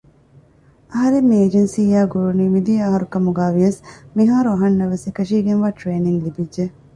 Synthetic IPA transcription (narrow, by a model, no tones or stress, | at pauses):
ɐɦɐɾemːieːd͡ʒensiːjaːɡuɾuniːmid̪iɐɦɐɾukɐmuɡaːʋiɐsmiɦaːɾuɐɦɐnːɐʋesekɐʃiːɡenʋaːʈɾeːniŋlibidʒe